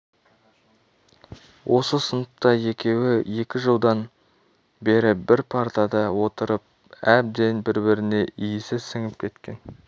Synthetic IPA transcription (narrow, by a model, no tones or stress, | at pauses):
wʔo̞səsənəpt̪ɑje̞kʲe̞wɪje̞kʲɪʒəlˠd̪ɑn | be̞ɾɪbɪɾpʰaɾt̪ɑd̪ɑwo̞t̪əɾəp̚ | æb̚d̪e̞nbɪɾbɪɾɪne̞ʔijɪsɪzsɪŋɪp̚kʲʰe̞t̪kʲe̞n